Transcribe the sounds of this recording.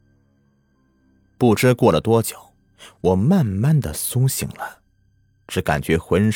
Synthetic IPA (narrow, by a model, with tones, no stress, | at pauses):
pu˥˩ʈ͡ʂɻ̩˥kwɔ˥˩lə˩t̪wɔ˥t͡ɕjo˨˩˦ʊ | wɔ˨˩ma˥˧nma˥˩nd̪ə˩sʊ˥ŋɕḭ˨˩˦ŋlə˦ | ʈ͡ʂɻ̩˧˥ka̰˨˩nt͡ɕɥɛ˧˥xwə˧˥n